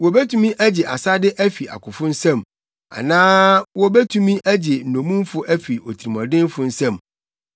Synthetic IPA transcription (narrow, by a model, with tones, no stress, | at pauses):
wɔ˨be˦tʰũ˦mĩ˦ʔæ˦d͡ʑɪ˨ʔa˨sa˦dɪ˦ʔæ˦fi˨a̰˨kʰʊ˨fʊ̃˦n̩˦sɛ̃˦˨m | a̰˨nãː˦wɔ˦bɛ˦tʰũ˦mĩ˦ʔæ˦d͡ʑɪ˨n̩˨nõ˨mũ˦m˦fʊ˦ʔæ˦fi˨o˨tʰi˨ɾi˨mɔ̃˨dɪ̃˦m˦fʊ˦n̩˦sɛ̃˦m